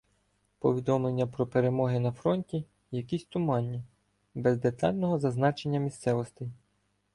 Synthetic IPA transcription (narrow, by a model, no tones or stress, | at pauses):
pɔʋʲid̪ɔmlˠenʲːɐpɾɔpeɾemɔɦɪnɐfɾɔnʲtʲi | jɐkʲisʲt̪ʊmɑnʲːi | bɛzd̪e̞t̪ɑ̰lʲnɔɦɔzɐznɑt͡ʃe̞nʲːɐmʲist̪sɛʋɔst̪ɪj